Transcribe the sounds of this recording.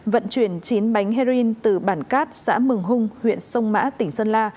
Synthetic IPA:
və̰˧˨nt͡ɕwi˧˩ənt͡ɕi˨˦nɓa˨˦jŋ̟ɦɛ˧ɾi˧nt̪ɨ˨˩ɓaː˧˩nkaː˦˥t̚sa̰ː˧˥mɨ˨˩əŋɦʊ˧ŋ͡mhwḭ˧˨ənsə˧wŋ͡mma̰ː˧˥t̪ï˧˩ŋ̟sə˧nlaː˧

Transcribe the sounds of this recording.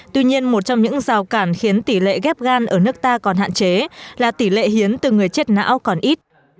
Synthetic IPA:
t̪wi˧ɲi˧ənmo˨˩t̚t͡ɕɔ˧wŋ͡mɲɨ̰˧˥ŋzaː˨˩wkaː˧˩nxi˨˦ənt̪i˧˩lḛ˧˨ɣɛ˦˥p̚ɣaː˧nʔəː˧˩nɨ˦˥ək̚t̪aː˧kɔ˨˩nɦa̰ː˧˨nt͡ɕe˨˦laː˨˩t̪i˧˩lḛ˧˨ɦi˨˦ənt̪ɨ˨˩ŋɨ˨˩əjt͡ɕe˦˥t̚na̰ː˧˥wkɔ˨˩nʔi˦˥t̚

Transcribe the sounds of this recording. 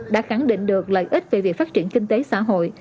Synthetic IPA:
ɗa̰ː˧˥xa˧˩ŋɗḭ˧˨ŋ̟ɗɨ˨˩ək̚lə̰ː˧˨jʔi˦˥t̚ve˨˩vi˨˩ək̚faː˦˥t̚t͡ɕi˧˩ənkï˧ŋ̟t̪e˨˦sa̰ː˧˥ɦo̰˧˨j

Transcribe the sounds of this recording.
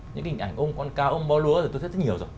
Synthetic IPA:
ɲɨ̰˧˥ŋhi˨˩ŋ̟ʔa˧˩jŋ̟ʔo˧ŋ͡mkɔ˧nkaː˧wʔo˧ŋ͡mɓɔ˧lu˨˦ətʰi˨˩t̪o˧t̪̚ʰːɲi˨˩əwzo˨˩

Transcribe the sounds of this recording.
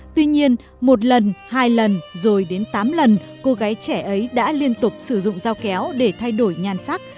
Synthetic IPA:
t̪wi˧ɲi˧ən | mo˨˩t̚lə˨˩nhaː˧jlə˨˩nzo˨˩jɗe˨˦nt̪aː˨˦mlə˨˩n | ko˧ɣaː˨˦jt͡ɕɛ˧˩ʔə˨˦jɗa̰ː˧˥li˧ənt̪ʊ˨˩k͡p̚sɨ˧˩zʊ̰˧˨ŋ͡mzaː˧wkɛ˨˦wɗe˧˩t̪ʰa˧jɗo˧˩jɲaː˨˩nsa˦˥k̚

